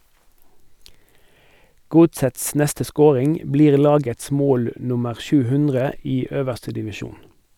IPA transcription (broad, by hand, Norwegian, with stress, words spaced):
ˈɡʊtsəts ˈnɛstə ˈskoːʁɪŋ ˈbliːʁ ˈlɑːɡəts ˈmoːl ˈnʊməʁ ˈʃʉː ˈhʉndʁə ˈiː ˈøːʋəʁstə dɪʋɪˈʃuːn